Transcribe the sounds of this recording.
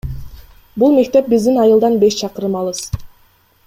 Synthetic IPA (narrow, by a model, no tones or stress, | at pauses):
bulˠme̞k̚t̪e̞p̚bizd̪inɑjɯlˠd̪ɑnbe̞ʃt͡ʃʰɑqɯɾɯmɑlˠɯz̥